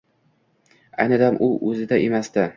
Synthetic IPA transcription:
a̰jnɪd̪amʔʊʔɵzɪd̪aʔemasd̪a

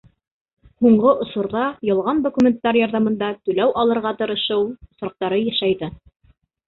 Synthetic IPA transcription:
huɴɢɤʔŏsŭɾðɑjɤ̆lˠʁɑnd̪ŏkumʲent̪ːɑɾjɑɾðɑmɤ̆nd̪ɑt̪ʉlæwʔɑlˠɤ̆ɾʁɑt̪ɤ̆ɾɤ̆ʃɤwŏsɾɑq̚t̪ɑɾɤjæʃæjðɘ

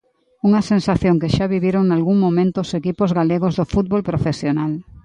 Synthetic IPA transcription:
uŋɐsensaθjoŋkeʃaβiβjeɾoŋnalɣuŋmomẽnt̪ʊːsekipozɣaleɣozðofut̪̚bolpɾofesjonal

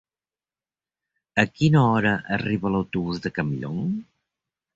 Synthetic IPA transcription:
əkinəɔɾəʔəriβələwt̪uβuzðəkəmiʎo̰ŋ

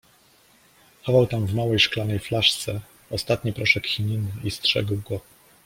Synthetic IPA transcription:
xɔvawt̪amvmawɛjʂklanɛjflaʂt̪sɛ | ɔst̪at̪ɲipɾɔʂɛkxʲiɲinɘʔistʂɛ̰ɡwɡɔ

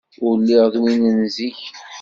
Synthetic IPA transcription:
ʊɾlːiʁðˤwinənziç

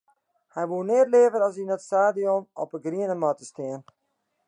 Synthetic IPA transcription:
hɛjʋuəneətleəvəɾɑs̬inətstaːdiɔnɔpəɡriənəmɔtəstɪən

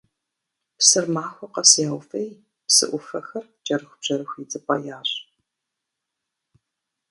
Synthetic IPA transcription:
psɨrmaːxʷɐqɐsjaːwfej | psɨ̰ʔʷʊfɐxɐrd͡ʒʼɐɾɨxʷbʒ̥ɐɾɨxʷiːt͡sʼɨpʼɐjaːɕ

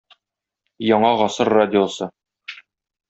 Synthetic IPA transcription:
jɒɴɑʁɒsɤɾːadʲɪosɤ

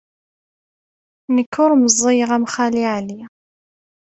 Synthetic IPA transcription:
nəkːʊɾməzˤːejəʁæmχæliʕli

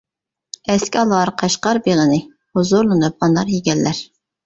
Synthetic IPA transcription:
ɛskʲiɑlˠɑɾqʰɑʃqɑɾbeʁənɨ | hʊzʊɾlˠɨnup̚ɑnɑɾjiɡʲɛlːæɾ

